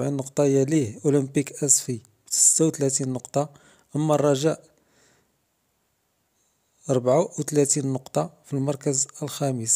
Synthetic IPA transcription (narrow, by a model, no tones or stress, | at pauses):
bʕinːʊqt̪ˤɑjælihʔuləmpikʔæsfi | bt̪sə̥t̪ːawt̪læt̪inːʊqt̪ˤɑ | ʔəmːærˤːɑʒæʔ | ɑɾˤbʕawt̪læt̪inːʊqt̪ˤɑfilmɑɾˤkəzəlxæməs